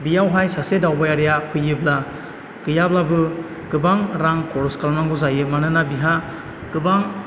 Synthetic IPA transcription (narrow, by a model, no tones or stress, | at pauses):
bijawɦajsasedawbajaɾijapʰɯjɯbla | ɡ̥ɯjablabɯ | ɡ̥ɯbaŋɾaŋkɔɾɔskalmaŋɡɔzajɯmanɯnabiɦa | ɡ̥ɯbaŋ